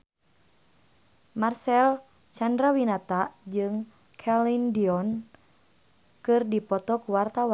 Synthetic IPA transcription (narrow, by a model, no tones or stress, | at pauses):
marsɛl | t͡ʃandɾawinat̪ad͡ʒɨŋ | kʰɛlindiɔn | kɨrdipɔt̪ɔkuwart̪awa